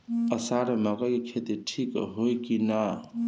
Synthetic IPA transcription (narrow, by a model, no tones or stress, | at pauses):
əsaɾemaɡəkekʰet̪iʈʰikɦojkina